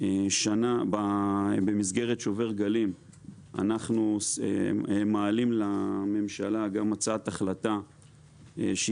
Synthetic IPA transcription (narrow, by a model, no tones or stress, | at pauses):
eʃanababe̞mizɡe̞ʁet̪ʃove̞ʁɡalim | a̰naχnusemaːlimlame̞mʃalaɡamat͡saat̪aχlat̪a | ʃe